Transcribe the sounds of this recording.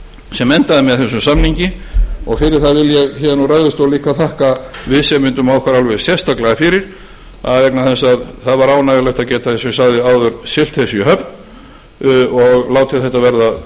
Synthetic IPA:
sɛmɛnt̪aðɪmɛðθɛsːʏmsamniɲcɪɔɣfɪɾɪɾ̥θavɪljɛɣçɛnuraɣðʏst̪owliːkaθʰahkavɪðsɛmːʏnt̪ʏmawkʰvaɾalvɛðsjɛ̥st̪aklaɣafɪɾɪɾ̥ | aðvɛknaθɛnsaðθaðvaɾaːwnaðɪlɛht̪acɛːt̪aθɛssawðɪaːwðʏɾsɪl̥t̪hɛsiɦœpn | ɔɣlaːwt̪ʰɪθɛht̪ːavɛɾða

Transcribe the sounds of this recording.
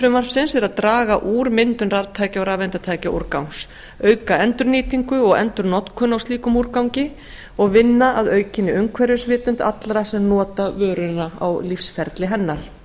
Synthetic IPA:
fɾʏmar̥psɪnsɛɾaðt̪ɾaːɣaʔuːɾmɪnt̪ʏnraɾt̪ʰaːjcaawɾaːvɛnt̪at̪ʰaːjcaʔṵɾkawns | œːɥkaɛnt̪ʏɾniːt̪iŋkʏɔɣɛ̰nt̪ʏɾnɔt̪kʰʏnːawst̪iːkʏmuɾkawɲcɪ | ɔɣvɪnːaaðœːɥcɪnːɪʏŋkʰvɛɾjʏsvɪːt̪ʏnt̪a̰t̪lɾasɛmnɔːt̪avœːɾʏnaa̰wlifsfɛɾt̪lɪɦɛnːaɾ̥

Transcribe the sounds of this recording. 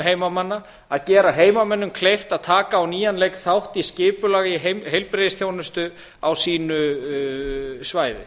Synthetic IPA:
ɦeːjmamanːa | aðcɛːɾaɦeːjmamɛnːʏmkʰlejft̪aðt̪ʰaːkaːwniːjanlejkθawht̪iscɪːpʏlaːɣɪiɦemɦejlpɾeðɪsθjownʏst̪ʏ | awsiːnʏ | svaːjðɪ̰

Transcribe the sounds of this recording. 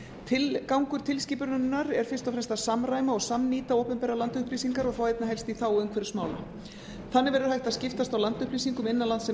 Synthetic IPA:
t̪ʰɪlkawŋkʏɾ̥t̪ʰɪlsciːpʏɾʏnnːaɾɛɾ̥fɪ̥st̪ɔfɾɛmst̪aðsamraːjmaɔɣsamniːt̪aohpɛmpɛːɾalant̪ʏhpliːsiŋkaɾɔɣθawejt̪naɦɛlst̪iθawʏnkʰvɛɾʏ̥smaːwla̰ | θanːɪvɛɾɪʏɾ̥hajht̪aðscɪft̪ast̪awlant̪ʏhpliːsiŋkʏmɪnːanlant̪sɛ

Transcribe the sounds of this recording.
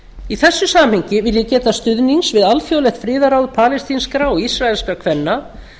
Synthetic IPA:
iθɛsːʏsaːm̥hʏɲcɪvɪljɪcɛːt̪ast̪ʏðniŋsvɪðalfjoːwlɛxt̪fɾɪːðaɾawðpʰaːlɛst̪inskɾaɔɣisraɛlskakʰvɛnːa

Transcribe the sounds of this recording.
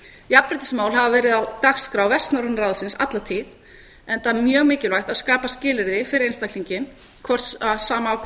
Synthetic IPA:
japɾɪt̪ɪ̥smaːwlɦavavɛːɾɪðawt̪axskɾawvɛst̪naɾʏnɾaːwðsɪnsa̰t̪lat̪ʰiːð | ɛnt̪amjœːɣmɪːcɪlajxt̪aðskaːpascɪːlɪɾðɪfɪɾɪɾejnst̪akl̥iɲcɪn | kʰvɔr̥t̪saðsaːma

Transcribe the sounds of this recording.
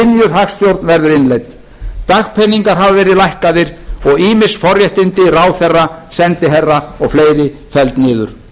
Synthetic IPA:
ɪnjʏðɦaxst̪jowɾt̪nvɛɾðʏɾɪnlejt̪ | t̪axpʰɛnːiŋkaɾ̥ɦavavɛːɾɪðlajhkaðɪɾ̥ɔɣiːmɪsfɔrjɛht̪ɪnt̪ɪraːwθɛrːasɛnt̪ɪɦɛrːaɔɣfleːjɾɪ | fɛlt̪nɪːðʏ̰ɾ̥

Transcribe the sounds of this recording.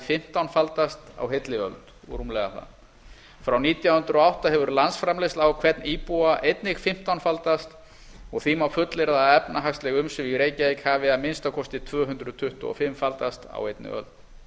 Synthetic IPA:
fɪm̥t̪awnfalt̪ast̪a̰wɦet̪lɪœ̰lt̪ː | ɾumlɛɣaθa̰ | fɾawniːt̪jawhʏnt̪ɾɔawht̪aɦɛvʏɾlansfɾamlejst̪lawkʰvɛt̪niːpuaʔejt̪nɪxfɪm̥t̪awnfalt̪ast̪ | ɔɣθimawfʏt̪lɪɾðaɛpnaɦakst̪lɛɣʏmsɛmiɣɾeːjcaejkhaːvɪaðmɪnst̪akʰɔst̪ɪt̪ʰvœːɦʏnt̪ɾʏðt̪ʰʏht̪ʊ̰ɔ̰fɪmfalt̪ast̪a̰wejt̪̚nɪ̰œ̰lt̪̚

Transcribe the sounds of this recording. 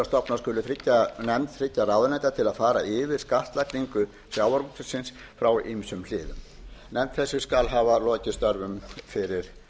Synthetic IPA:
ast̪ɔpnḁskʏːlʏθɾɪcːanɛmt̪θɾɪcːaɾawðʏɾnajt̪at̪ʰɪlaðfaːɾa̰ʔɪːvɪðskaht̪lakniŋkʏ | sjaːwaɾusʏsɪns | fɾawimsʏml̥ɪːðʏ̰m | nɛmt̪θɛsːʏskalɦaːvalɔːcɪst̪œɾvʏmfɪɾɪɾ̥

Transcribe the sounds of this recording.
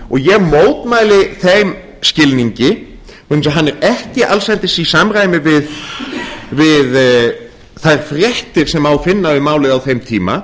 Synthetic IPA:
ɔɣjɛmoːwt̪maːjlɪθejm | scɪlniɲcɪ | ns̬aɦanːɛɾɛhcɪʔalsvɛnt̪ɪsisamraːjmɪvɪð | vɪð | θajɾ̥fɾjɛht̪ɪɾ̥sɛmawfɪnːavɪmaːwlɪðawθejmt̪ʰiːma̰

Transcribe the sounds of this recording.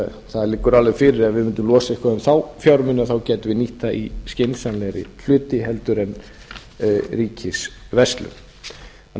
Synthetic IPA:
θaðlɪkːʏɾalvɛfɪːɾɪɾɛðvɪmɪnt̪̬ːʏmlɔːsaihkvaɛmθawfjawɾmɪnɪaθawcɛːt̪ʏvɪniht̪aʔḭscɪnsanlɛɾɪ̰l̥ʏːt̪ɪɦɛlt̪ʏɾɛn | ɾiːcɪsvɛst̪lʏ̰

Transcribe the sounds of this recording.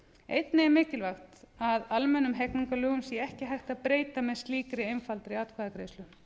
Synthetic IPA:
ejt̪nɪɛmɪːcɪlvaxt̪aðalmɛnːʏmɦɛkniŋkalœːɣʏmsjɛɛhcɪɦajxt̪aðpɾeːjt̪amɛðst̪liːkɾɪejnfalt̪ɾɪiat̪kʰvaðakɾeːjslʏ

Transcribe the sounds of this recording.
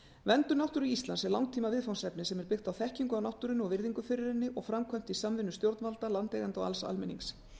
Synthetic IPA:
vɛnt̪ʏnawht̪ʏɾiist̪lansɛɾlawŋt̪ʰiːmavɪðfawnsɛpnɪsɛmɛɾpɪxt̪awθɛhciŋkʏawnawht̪ʏɾɪnɔɣvɪɾðiŋkʏfɪɾɪɾɪnːɪʔɔɣfɾamkʰvœjm̥t̪isamvɪnːʏst̪jowɾt̪nvalt̪alant̪lɛɣant̪ɔɣa̰lsa̰lmɪniŋs

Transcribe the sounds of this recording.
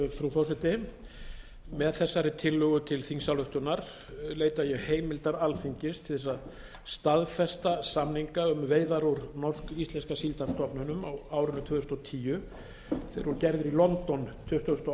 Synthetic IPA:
fɾuθɔsɛt̪ɪ | mɛðθɛsːaɾɪt̪ʰɪlːʏɣʏt̪ʰɪlθiŋsawlʏht̪ʏnaɾ̥ | leːjt̪ajɛɣheːjmɪlt̪aɾalθiɲcɪst̪ʰɪlθɛsːa | st̪aðfɛst̪asamniŋkaʏmveːjðaɾuɾnɔr̥skist̪lɛnskasilt̪afst̪ɔpnʏnʏmawaːwɾʏnːʏt̪ʰʏːðʏst̪ɔt̪ʰiːjʏ | θejɾvɔɾʏcɛɾðʏɾilɔnt̪ɔnt̪ʰʏht̪ʏʏst̪ɔ

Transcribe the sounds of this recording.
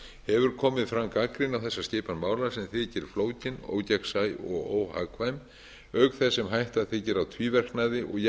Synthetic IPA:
hɛvʏɾ̥kʰɔːmɪðfɾaŋkakɾɪnawθɛsːasceːpanmaːwlasɛmθɪcɪɾ̥floːwcɪno̰ːwcaksajɔ̰ɣoːwha̰kʰvajm | œkθɛsːɛmɦajht̪aðθɪcɪɾawt̪ʰviːvɛr̥knaðɪʔɔɣj

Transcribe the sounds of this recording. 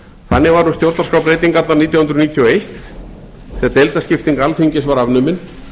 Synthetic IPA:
θanːɪɣvaɾnust̪jowɾt̪naskɾawpɾeːjt̪iŋkat̪laɾniːt̪jahʏnɾniːt̪ʰjɔejht̪ | θɛːðt̪ejlt̪ascɪft̪iŋkalfiɲcɪsvaɾavnʏmɪn

